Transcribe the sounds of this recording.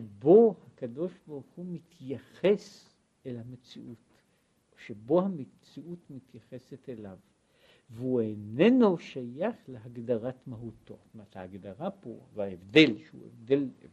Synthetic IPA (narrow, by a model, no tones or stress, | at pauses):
ʃebo̞hakado̞ʃbaʁuχumit̪ʰjaχe̞s | elhamet͡sḭʔut | oʃebo̞hamet͡siʔut̪mit̪jaχe̞set̪elav | veuenenoʃajaχleɦaɡdaʁatmaɦut̪omet̪haaɡd̪aʁapo̰vaevd̪e̞lʃeṵḛvd̪el